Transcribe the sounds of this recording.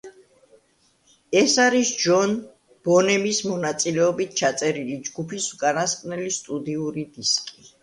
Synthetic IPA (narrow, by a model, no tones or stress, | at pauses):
ɛsaɾisd͡ʒɔn | b̥ɔnɛmismɔnat̪sʼilɛɔbit̪̚ʰt͡ʃʰat̪sʼɛɾilid͡ʒɡupʰisukʼanaskʼnɛlist̪ʼud̪iuɾid̪iskʼi